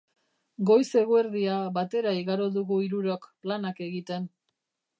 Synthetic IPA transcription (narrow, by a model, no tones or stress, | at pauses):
ɡo̞jse̞ɣoeɾðiaβat̪e̞ɾaiɣaɾo̞ðuɣuiɾuɾokplanake̞ɣit̪e̞n